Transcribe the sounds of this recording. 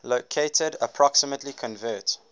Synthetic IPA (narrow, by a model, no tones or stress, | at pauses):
lokʰeɪtʰədəpʰɹɔksəmətlikʰɔ̃nvɜːˑt